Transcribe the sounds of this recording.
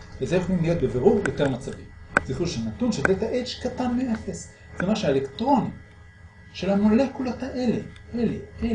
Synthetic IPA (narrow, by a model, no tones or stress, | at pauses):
vezejuχlimlijo̞t̪̚beveʁuʁjote̞ʁmat͡savimz̥iχuʃelnatunʃelbet̪aʔet͡ʃkatanmeefes | z̥emaʃuaelektʁo̞ni | ʃe̞lamole̞kulot̪aʔeleeleʔe